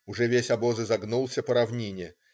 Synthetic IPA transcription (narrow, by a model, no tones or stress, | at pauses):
ʊʐɛvʲesʲɐbozɨzɐɡnulˠsʲəpəɾɐvnʲenʲɪjɪ